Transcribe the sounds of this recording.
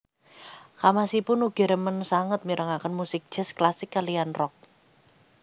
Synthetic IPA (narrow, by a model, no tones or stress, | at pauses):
kamasipʊnuɡ̥ɛ̤ɾəmənsaŋət̪̚miɾʔəŋakənmusɪk̚d̥ʒ̥ɛ̤sklasɪkːalianrɔk̚